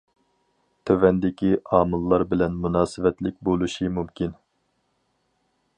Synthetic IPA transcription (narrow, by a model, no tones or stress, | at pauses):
t̪ʰøvɛnd̪ɪkʲiɑːmɨlˠːɑɾbɪlɛnmunɑːsɨvɛt̪lɪk̚ʲbolˠuʃimumkʲin